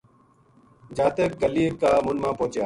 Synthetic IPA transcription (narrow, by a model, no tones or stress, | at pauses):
d͡ʒaːt̪ekkəliːkaːmʊnmãːpoːt͡ʃjaː